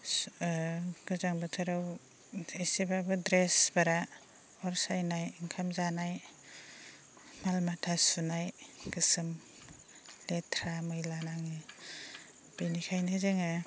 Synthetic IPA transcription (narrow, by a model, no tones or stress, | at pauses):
ɡɯzaŋbɯtʰɯɾaw | esibabɯdɾesbaɾa | ɔɾsajnajiŋkʰamzanaj | malmatʰasunajkɯsɯm | letʰɾamɯjlanaŋi | bijnikʰajnɯzeŋɯ